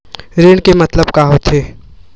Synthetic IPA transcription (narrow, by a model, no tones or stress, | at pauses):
ɾeːɽkemɐt̪ləbkaɦot̪ʰeː